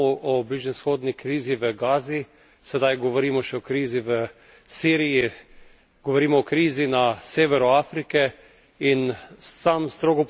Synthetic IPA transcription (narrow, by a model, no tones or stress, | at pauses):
ɔʔɔbliʒnɛsxoːd̪nikɾiːziʋəɡaːzi | sɛd̪ajɡɔʋɔɾiːmɔʃɛɔkɾiːziʋə | siːɾiji | ɡ̥ɔʋoɾiːmɔɔkɾiːzinaseːʋɛɾɔaːfɾikɛ | insamst̪ɾoːɡɔp